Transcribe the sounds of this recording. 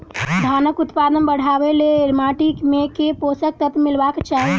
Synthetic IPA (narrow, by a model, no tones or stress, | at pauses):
d̪ʱaːnəkʊt̪paːd̪ənbəɽ̤aːʋeleɾmaʈikmekepoːsək̚t̪ət̪mɪlbakt͡ʃaːɦi